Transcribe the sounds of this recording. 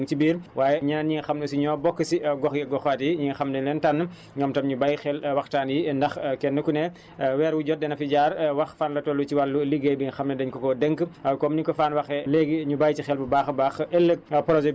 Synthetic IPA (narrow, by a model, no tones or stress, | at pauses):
ŋt͡ʃibiːɾwaːjɛɲɐnɐnɲiŋɐxɐmnɐsiɲɔːbɔkːəsiɡɔxjɛɡɔxaːtjiɲiŋɐxɐmnɛlɛntanː | ɲɔːmtɐmɲubɐjxɛlwɐxtaːnjindɐxkɛnːəkunɛ | wɛːɾwuɟɔdɛnɐfiɟaːrwɐxfaːnlɐtɔlːut͡ʃiwɐlːuliɡebiŋxɐmnɐdɐɲkɔkɔdəŋkkɔmnikɔfaːnwɐxɛlɛɡɲubɐjcixɛlbubaːxbaːxɛlːək̚pɾɔd͡ʒɛ